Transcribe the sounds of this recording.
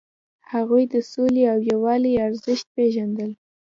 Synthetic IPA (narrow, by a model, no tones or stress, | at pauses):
haɣujd̪əsoleawjawɑliaɾzəʃt̪̚peʒand̪əl